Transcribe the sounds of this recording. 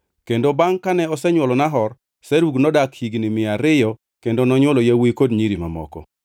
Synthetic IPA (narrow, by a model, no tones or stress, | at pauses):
kendobaŋkanɛɔsɛɲwɔlɔnaɦɔr | sɛɾuɡnɔdakhiɡnɪmɪaɾɪjɔ | kendonɔɲwɔlojawikodɲiɾima̰mɔ̰kɔ̰